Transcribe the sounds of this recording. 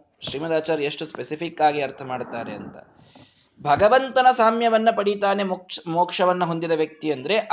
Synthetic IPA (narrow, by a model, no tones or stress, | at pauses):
ʃɾiːmɐd̪aːt͡ʃaːɾeʂʈuspesipʰikːaːɡiɐɾt̪ʰɐmaːɖt̪aːɾe̞̰ɐ̰nt̪ɐ̰ | bʱɐɡɐʋɐnt̪ɐnɐsaːmjɐʋɐnːɐpɐɽit̪aːne̞moːkʂɐʋɐnːɐɦo̞nd̪id̪ɐʋjɐk̚t̪iɐnd̪ɐɾe̞ʔ